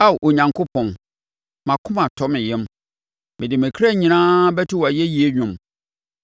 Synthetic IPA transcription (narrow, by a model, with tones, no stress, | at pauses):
a˦wʔo˨ɲã˨ŋkʰʊ˦pʰɔ̃˨n | mã˨kʰʊ̃˦mã˨tʰɔ˦mɪ̃˨jɛ̃˦m | mɪ̃˨dɪ˨mɪ̃˨kʰa˦˨ɲĩ˨nãː˦bɛ˦tʰɪ˦wa˨jɛ˦ji˦e˦ɲᶣʊ̃˨m